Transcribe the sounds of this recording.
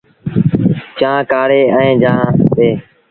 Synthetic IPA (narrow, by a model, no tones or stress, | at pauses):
t͡ʃãːkaːɽeːɛ̃ẽːd͡ʒãːteː